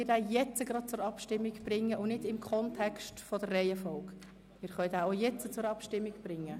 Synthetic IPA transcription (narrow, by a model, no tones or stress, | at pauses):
ɪdæːjɛt͡səɡ̥ɾɑt̚t͡sʊɾɑpʃtɪmːiɡb̥rɪŋːəʔʊnɪdɪmkʰχɔntʰɛkstfɔdərːɛɪəfɔlk | mɪːɾχœʏdæːojɛt͡sət͡sʊɾɑpʃtɪmːiɡb̥rɪŋːə